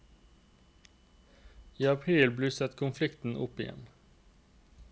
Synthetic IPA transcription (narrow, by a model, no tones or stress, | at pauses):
iːɑpʰʁiːlblʉːsət̪kʰʊnflɪkt̪n̩ʔʊ̰pɪjɛ̰n